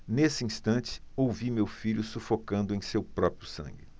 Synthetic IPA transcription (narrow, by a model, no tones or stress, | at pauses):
nesɪĩst̪ɐ̃t͡ʃɪ̥owvimewfiʎʊsufokɐ̃nd̪ʊẽj̃sewpɾɔpɾjʊsɐ̰̃ŋɡɪ